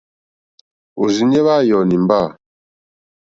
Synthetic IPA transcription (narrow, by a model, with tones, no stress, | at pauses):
o˨zi˨ɲe˦βaː˦˨jɔ˨ni˨m˦ba˦˨